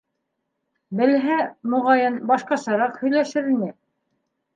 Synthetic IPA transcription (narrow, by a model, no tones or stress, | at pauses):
bɘ̆lɦæmŏʁɑjɤnbɑʃqɑsɑɾɑqhɵ̆jlæʃɘɾinɘ